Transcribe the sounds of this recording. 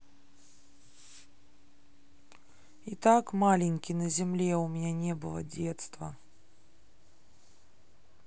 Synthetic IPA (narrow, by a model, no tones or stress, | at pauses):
it̪akmalʲɪnʲkʲinɐzʲɛmlʲɛumʲnʲɛnʲɛbɨlˠɐ̰d͡zʲɛt̪st̪vɐ